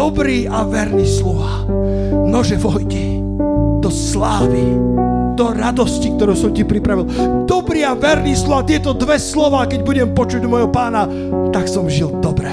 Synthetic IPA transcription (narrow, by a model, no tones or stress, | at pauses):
ɔbɾiːʔaʋɛɾniːslɔʋaː | nɔʒɛʋɔjt̪i | d̪ɔslaːʋid̪̥ɔɾad̪ɔscik̚t̪ɔɾuʊsɔmcipɾipɾaʋild̪ɔbɾiːaʋɛɾniːslɔʋaːt̪ɪɛt̪ɔd̪ʋɛslɔʋaːkɛɟbuɟɛmpɔt͡ʃuɟmɔjɦɔpaːna | t̪aksɔmʒild̪ɔbɾɛ